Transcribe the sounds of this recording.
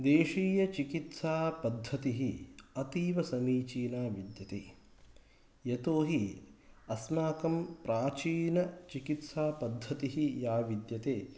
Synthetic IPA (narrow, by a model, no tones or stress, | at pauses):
d̪eːʃiːjɐt͡ʃikit̪saːpɐd̪ʱːɐt̪iɦiɐt̪iːʋɐsɐmiːt͡ʃiːnaːʋid̪jɐt̪eː | jɐt̪oːɦiɐsmaːkɐmpɾaːt͡ʃiːnɐt͡ʃikit̪saːpɐd̪ʱːɐt̪iɦijaːʋid̪jɐt̪eː